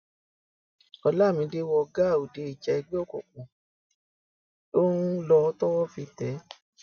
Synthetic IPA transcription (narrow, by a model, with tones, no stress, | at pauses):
ɔ˧la˦˨mĩ˨˧˦de˦wɔ˧ɡa˦˨o˨de˨˦i˨d͡ʒɛ˧ɛ˧ɡ͡be˦ɔ˦˨kɔ̰˨k͡pũ˨ | o˦nu˦lɔ˧˦tɔ˦wɔ˦fi˧tɛ˨˦